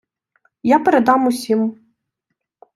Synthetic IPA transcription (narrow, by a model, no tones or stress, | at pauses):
japʲɛɾɛd̪amusʲim